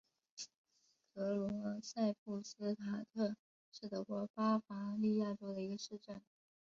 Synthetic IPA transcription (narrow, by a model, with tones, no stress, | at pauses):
kʰɤ˧˥lwɔɔ˧˥sa˥˧ɪpu˥˩sɹ̩˥t̪ʰa˨˩t̪ʰɤ˥˧ | ʂɻ̩˥˩t̪ɤ˧˥kwɔ˧˥pa˥fa˧˥li˥˧ja˥˩ʈ͡ʂo˥ʊd̪ə˨i˧˥ɡə˧ʂɻ̩˥˧ʈ͡ʂə˥˩n